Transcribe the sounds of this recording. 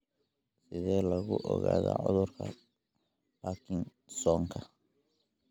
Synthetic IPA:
sɪðɛːlɐɣʊʔɔɣaːðaːʕʊðʊrkʰɐ | pʰakʰɪŋ | sɔŋkʰɐ

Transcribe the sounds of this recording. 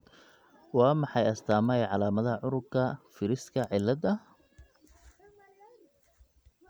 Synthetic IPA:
wɑːmɑħɑjɐst̪ʰaːmɐjʕɑlaːmɐðɐʕʊɾʊbkʰɐfɪɾɪskʰɐʕɪlːɐd̪ɐ

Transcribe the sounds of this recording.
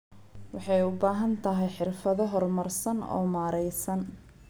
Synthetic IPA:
wɑħɑjʊbaːɦɐnt̪ʰɐɦɛjħɪrfɐðɔɦɔrmɐrsɐnɔ̰ːmaːɾɛjsɐn

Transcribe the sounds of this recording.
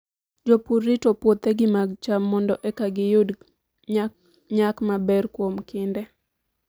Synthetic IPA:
d͡ʒopurːitopwot̪eɡɪmaɡt͡ʃamːɔndɔʔɛkaɡɪjʊd | ɲakmabɛrkwomkɪndɛ

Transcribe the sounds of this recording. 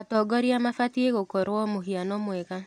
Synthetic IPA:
atɔɡɔɾiamafatieɣokoɾwɔmoɦianɔmwɛɣa

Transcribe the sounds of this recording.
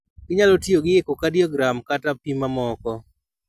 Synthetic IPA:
kɪɲalotjoɡɪekokadiɔɡɾamkatapimamɔkɔ

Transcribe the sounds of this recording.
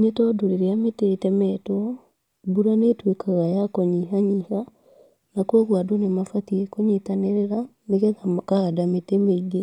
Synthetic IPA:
netɔdoɾeɾeameteetɛmɛtwɔ | buɾanetwekaɣajakɔɲiɦaɲiha | nakwɔɣwadonemafatiekoɲitaneɾeɾaneɣɛðakaɣadametemeiɣe

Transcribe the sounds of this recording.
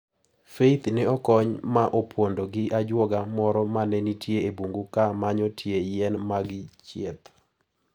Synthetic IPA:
feit̪nɪɔkɔɲmaʔopʰwondoɡɪʔad͡ʒwɔɡamɔɾɔmanɛnitjeebuŋɡukamaɲɔtʰjejɛnmaɡɪt͡ʃjet̪

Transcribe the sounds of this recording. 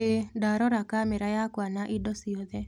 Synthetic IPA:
edaɾɔɾakamɛɾajakwanaʔidɔsiɔd̪ɛ

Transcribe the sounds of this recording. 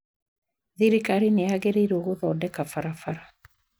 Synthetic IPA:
ðiɾikaɾineaɣɛɾeɾoɣoðɔdɛkafaɾafaɾa

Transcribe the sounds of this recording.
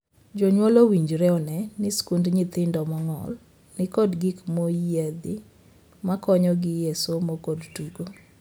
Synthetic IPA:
d͡ʒoɲwɔlowiɲd͡ʒɾɛɔnɛnɪskundɲɪt̪ɪndɔmɔŋɔ̰l | nɪkɔdɡikmojjed̪ɪ | makɔɲɔɡɪjesomokodtuɡo

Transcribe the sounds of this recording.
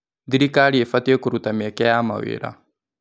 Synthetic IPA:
nd̪iɾikaɺiɛfat̪iɛkuɾut̪amiɛkɛjama̰wḛːɺa̰

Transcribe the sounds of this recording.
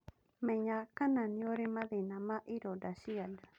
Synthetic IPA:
mẽɲãkanãnĩoɾimãðinãmãʔiɾodasiana

